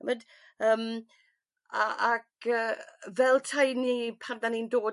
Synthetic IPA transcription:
məd | əːm | aakəːvɛlˠtʰajnipʰandanindoː

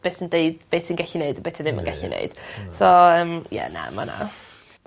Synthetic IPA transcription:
b̥eːsəndeɨd̥b̥eːtʰinɡɛɬineɨdəbeːtʰinðɪmə̰nɡ̥ɛɬḭnʔḛɨd̥soəmjɛ̰na̰ma̰na̰

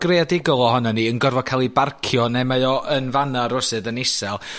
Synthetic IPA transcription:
ɡ̥readɪɡɔlˠɔhɔnaniənɡɔrvɔkʰalˠibarkʰjɔnɛmaɨɔʔənvanaɾʊsɨdənɪsɛlˠ

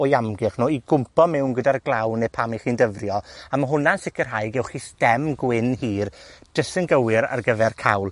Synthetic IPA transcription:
ɔjamɡɪχnoːiɡʊmpɔmɛwnɡədarɡlˠawnɛpʰamiχiːndəvrjɔamaɦʊnansɪkərɦajɡɛwχistɛmɡwɪnhiːrd̥əsənɡəwɪɾa̰rɡəvɛrkʰawlˠ

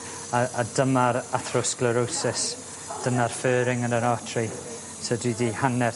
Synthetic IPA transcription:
aadəmaɾaθrʊskləɾowsɪs | d̥əmarføːɾɪŋənənɔːtʰri | sədiːdihanɛ

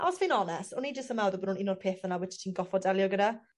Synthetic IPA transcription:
a̰ɔsvinɔnɛstʊnid͡ʒəstəmawðɔbənunɪnɔdpʰeːθənawɪt͡ʃʰtʰiːnɡɔfɔdɛlˠjɔɡəda

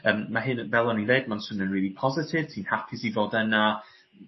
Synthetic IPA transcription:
əːmmaɦɪnvɛlˠɔnineɨd̚mansʊnənrɹiːlˠipʰɔzɪtʰɪv̥tʰiːnhapʰɪsivoːdɛna

